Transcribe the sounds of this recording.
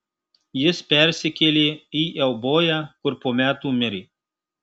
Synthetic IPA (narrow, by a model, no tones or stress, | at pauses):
jɪspʲɛˑɾʲsʲɪkʲelʲeːiːʔɛʊboːjæːkʊɾpoːmʲæːt̪uːmʲɪɾʲiː